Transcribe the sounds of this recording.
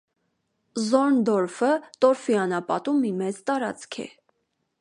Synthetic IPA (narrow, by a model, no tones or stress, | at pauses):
zɔɾnd̪ɔɾfət̪ɔɾfiɑnɑpɑ̰t̪umːimɛt͡st̪ɑɾɑ̰t͡skʰɛ̰